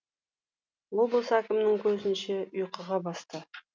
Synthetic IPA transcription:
wob̪ˠsækʲɪmnɪŋkʲʰɵzɪnʃeʊjqəʁɑbɑst̪ə

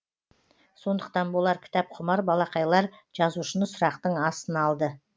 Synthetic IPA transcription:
so̞nd̪əq̚t̪ɑnwolˠɑɾkʲʰɪ̥t̪ɑp̚qʰʊmɑɾbɑlˠɑqɑjlˠɑɾʒ̥ɑzuʃənəsʊɾɑqt̪əɴɑsənɑlˠd̪ə

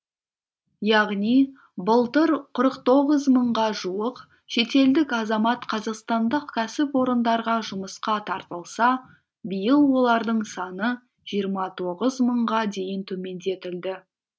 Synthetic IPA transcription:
jɑʁni | bəlˠt̪əɾqʰʊɾəqt̪o̞ʁəzməɴʁɑʒuəq | ʃe̞t̪e̞ld̪ɪkɑzɑmɑt̪qʰɑzɑqst̪ɑnd̪əqkʲʰæsɪpwo̞ɾənd̪ɑɾʁɑʒʊməsqɑt̪ʰɑɾt̪əlˠsɑ | bəjəlˠwo̞lˠɑɾd̪əɴsɑnə | ʒ̥ijəɾmɑt̪ʰo̞ʁəzməɴʁɑd̪e̞jɪnt̪ʰɵme̞nd̪e̞t̪ɪld̪ɪ

